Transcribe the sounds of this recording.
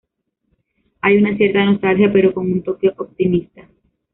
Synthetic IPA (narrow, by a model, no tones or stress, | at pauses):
ajunasje̞ɾt̪ano̞st̪alhjape̞ɾo̞ko̞ŋunt̪o̞koʔop̚t̪imist̪a